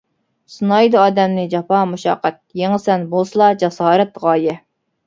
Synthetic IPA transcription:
sunɑjd̪ɨɑːd̪ɛmnɪd͡ʒɑpʰɑmuʃɑ̰ːqɛt̪̚jeŋəsɛnbolˠsɨlˠɑd͡ʒɑsɑːɾɛt̪ʁɑːjɛ

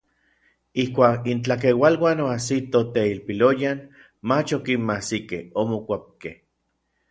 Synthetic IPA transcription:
ihkʷaːkint͡ɬak̬ewalwaːnoasit̪ot̪eilpilojan | mat͡ʃokinmasikḛhomokʷap̚kḛh

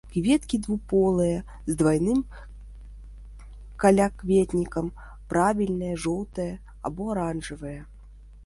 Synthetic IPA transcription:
kvʲɛt̪kʲid̪vupɔlˠɨjɐ | zd̪vajnɨm | kɐlʲakvʲɛt̪nʲikɐm | pɾavʲilʲnɐjɐʐɔlˠt̪ɐjɐ | a̰bɔɾanʐɨvɨjɐ

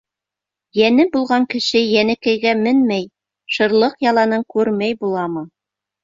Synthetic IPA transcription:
jænɘbulˠʁɑŋkɘ̆ʃɘjænɘ̆kæjɡæmɘnmæj | ʃɤ̆ɾlˠɤqjɑlˠɑnɤɴkʉɾmæjbulˠɑmɤ

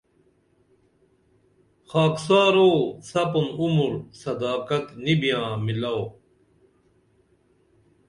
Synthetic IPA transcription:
xaːksaːɾoːsɐpunumuɾsɐd̪aːkɐt̪nibijãːmilaw

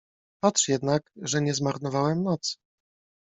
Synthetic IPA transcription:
patʂjɛd̪nakʐɛɲɛzmaɾnɔvawɛmnɔt̪s

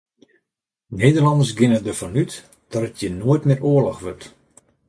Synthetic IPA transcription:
neːdərlɑndərs̬ɡɪnədəfɔnyt | d̥ɔtətʰjənoətmɪːrʔoəlɔxʋøt

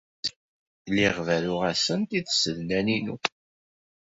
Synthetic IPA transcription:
liʁvælʊʁæsənt̪iðsəlnæninṵ

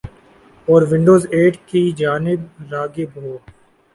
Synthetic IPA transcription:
ɔːɾʋɪ̃ɳɖoːzeːʈkid͡ʒaːnɪbɾaːɡɪbɦoː

